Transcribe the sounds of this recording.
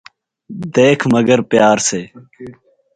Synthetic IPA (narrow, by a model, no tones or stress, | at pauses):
d̪eːkʰməɡəɾpjaːɾseː